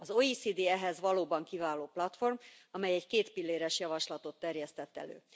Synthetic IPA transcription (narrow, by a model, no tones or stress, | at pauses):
ɒzoːisiːd̪iɛɦɛzʋɒloːbɒŋkivaːloːplɒt̪fo̞rmɒmɛjɛckeːt̪pilːeːɾɛʃjɒvɒʃlɒt̪o̞t̪ːɛrjɛst̪ɛt̪ːɛ̰lø̰ː